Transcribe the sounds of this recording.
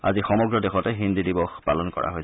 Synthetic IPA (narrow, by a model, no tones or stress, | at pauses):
a̰zixɔmɔɡɹɔdexɔtɛɦindidibɔxpa̰lɔnkɔ̰ɹa̰ɦoj